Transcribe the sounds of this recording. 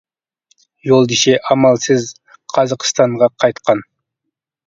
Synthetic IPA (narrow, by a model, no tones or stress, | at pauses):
jolˠd̪iʃeʔɑmɑlˠsɨz | qʰɑzɑqst̪ɑɴʁɑqʰɑjt̪qʰɑn